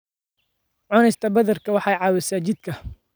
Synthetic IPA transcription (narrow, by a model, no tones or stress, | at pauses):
ʕɔnɛjst̪ʰɐbɐðɐrkʰɐwɑħɑːjʕɑːwɛsaːt͡ʃɪd̪kʰɐ